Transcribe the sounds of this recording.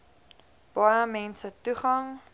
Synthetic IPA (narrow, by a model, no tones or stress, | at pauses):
b̥ɑjəmɛnsətuχɐŋ